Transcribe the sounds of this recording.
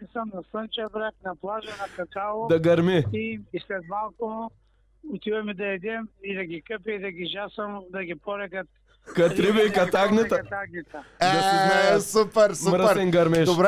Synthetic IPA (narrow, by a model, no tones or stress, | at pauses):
isɐmnɐsənt͡ʃɐbɾaknɐplˠaʒɐnɐkɐk̪alˠod̪ɐɡɐɾmiiislɛt̪malˠkʊ | ʊt̪ivɐmid̪ɐɛd̪ɛmid̪ɐɡikəpiid̪ɐɡiʒasɐmd̪ɐɡʲipɔɾɛkɐt̪̚ | kɐt̪ɾivɐikɐt̪aɡnit̪ɐɐt̪aɡnit̪ɐɡɐsɛsupɛɾsumɾɐɾɛŋɡɐɾmɛʃʊbɾ